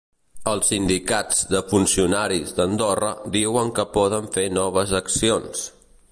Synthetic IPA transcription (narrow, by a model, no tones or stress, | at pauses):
əlˠsːind̪ikad͡zd̪əfunsiunaɾizd̪ənd̪orə̰d̪iwəŋkəpɔðəɱfenɔβ̞əzəksions